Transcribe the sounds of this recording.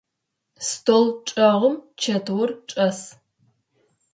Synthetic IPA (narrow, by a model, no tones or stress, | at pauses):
stʰoːlʈ͡ʂʼɐʁʷʊmt͡ʃʰɐtʰwʊrʈ͡ʂʼɐs